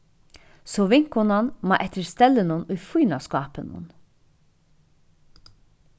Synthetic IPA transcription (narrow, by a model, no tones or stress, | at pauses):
sɔʋɪŋ̥khʊnanmɑ̰ʔɛt̪əɾst̪ɛlːənʊnʊjfujnaskɑːpənʊ̰n